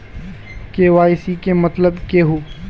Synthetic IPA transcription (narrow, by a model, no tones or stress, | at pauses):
keʋaːɪsikemɐt̪ləbkeɦoː